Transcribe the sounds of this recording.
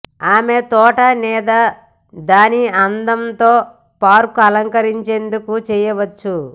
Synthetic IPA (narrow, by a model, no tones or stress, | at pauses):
aːme̞t̪ɔːʈɐnɛːd̪ɐ | d̪aːniɐnd̪ɐmt̪o̞ː | paːɾkuɐlɐŋkɐɾiɲt͡ʃe̞nd̪ukut͡ʃɛːjɐʋɐt͡ʃːu